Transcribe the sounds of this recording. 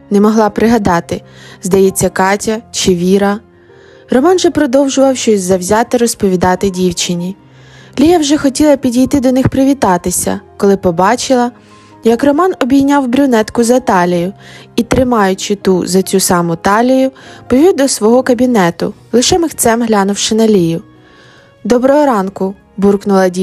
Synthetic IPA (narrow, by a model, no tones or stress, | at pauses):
nɛmɔɦlˠɑpɾɪɦɐd̪ɑt̪ɪ | zd̪ɐjɛt͡sʲːɐkɑtʲɐt͡ʃɪʋʲiɾɐ | rɔmɑnʒɛpɾɔd̪ɔwʒʊʋɐwʃt͡ʃɔsʲzɐwzʲɑt̪ɪɾɔspɔʋʲid̪ɑt̪ɪdʲiwt͡ʃɪnʲi | lʲijɐwʒɛxɔtʲilˠɐpʲidʲijt̪ɪd̪ɔnɪxpɾɪʋʲit̪ɑt̪ɪsʲɐ̰kɔlˠɪpɔbɑt͡ʃɪlˠɐ | jɐkrɔmɑnɔbʲijnʲɑwbɾʲʊnɛt̪kʊzɐt̪ɑlʲijʊit̪ɾɪmɑjʊt͡ʃɪt̪uzɐt͡sʲusɑmʊt̪ɑlʲijʊpɔʋʲiwd̪ɔsʋɔɦɔkɐbʲinɛt̪ʊ̰ | lˠɪʃɛmɪxt̪sɛmɦlʲɑnʊwʃɪnɐlʲijʊ | d̪ɔbɾɔɦɔɾɑnkʊ | burknʊlˠɐdʲi